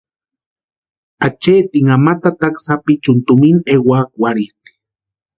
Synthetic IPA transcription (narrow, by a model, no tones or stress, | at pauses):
at͡ʃeːt̪iŋamat̪at̪aksapit͡ʃunt̪uminewaːk̚waɾit̪i̥